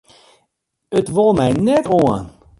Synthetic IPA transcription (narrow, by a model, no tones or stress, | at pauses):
ətʋɑlˠmɛjnɛtoən